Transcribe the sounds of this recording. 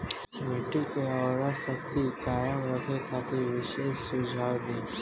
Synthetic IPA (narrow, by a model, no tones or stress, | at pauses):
mɪʈikeɔːɾasəkt̪ikaːjəmɾəkʰekʰaːt̪iʋɪʃeːssʊd͡ʒʱaːwd̪iː